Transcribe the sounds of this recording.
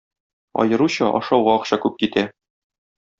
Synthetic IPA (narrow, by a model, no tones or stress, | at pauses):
ɒ̰jɤ̆ɾuɕɑʔɒ̰ʃɑwʁɑɒqɕɑkʉp̚kit̪æ